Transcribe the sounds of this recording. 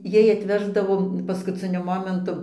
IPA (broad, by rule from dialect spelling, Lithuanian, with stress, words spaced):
ˈjɛɪ ɐtʲˈʋʲæːʒdɐʋoː pɐskʊˈt͡sʲɪnʲʊ ˈmoːmʲɛntʊ